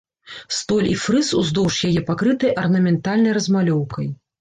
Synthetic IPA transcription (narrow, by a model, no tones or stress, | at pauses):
st̪ɔlʲifɾɨsuzd̪ɔwʂjajɛpakɾɨt̪ɐjʔɐrnɐmʲɛnt̪alʲnɐjrɐzmalʲɔwkɐj